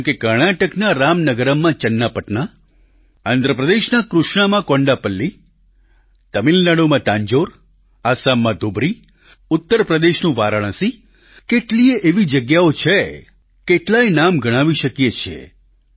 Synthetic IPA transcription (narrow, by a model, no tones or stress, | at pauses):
kekəɾɳ̃aʈəknaɾamnəɡəɾəmːãt͡ʃənːapəʈna | and̪ɾəpɾəd̪eʃnakɾuʃɳamãkɔ̃ɳɖapəlːi | t̪əmilnaɽumãt̪ãɲd͡ʒoɾ | asamːãd̪obɾi | ʊt̪ːəɾpɾəd̪eʃnũʋaɾəɭ̃ə̃si | keʈlieʔeʋid͡ʒəɡjaot͡ʃʰe | keʈlajnamɡəɽ̃ãʋiʃəkjet͡ʃʰḛ